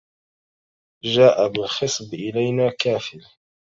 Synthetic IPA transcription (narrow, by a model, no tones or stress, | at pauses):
ʒaːʔabɪlxɨsˤbʔɪlajnaːkaːfɪl